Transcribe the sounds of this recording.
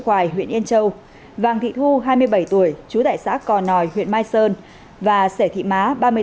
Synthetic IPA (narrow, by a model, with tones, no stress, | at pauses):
xwaː˧˩jɦwḭ˧˨ənʔənt͡ɕə˧w | vaː˨˩ŋt̪ʰḭ˧˨t̪ʰu˧ɦaː˧jmɨ˧əjɓə˧˩jt̪u˧˩əjt͡ɕu˨˦t̪a̰ː˧˨jsa̰ː˧˥kɔ˨˩nɔ˨˩jhwḭ˧˨ənmaː˧jsəː˧n | vaː˨˩sɛ˧˩t̪ʰḭ˧˨maː˨˦ɓaː˧mɨ˧ə˧